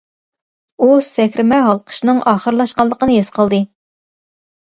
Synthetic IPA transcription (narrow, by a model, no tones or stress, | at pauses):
usɛkʲɾɪmɛɦɑlˠqʰə̥ʃnɨŋʔɑːχəɾlˠɑʃqɑlˠːəqənɨjesqəlˠd̪ɨ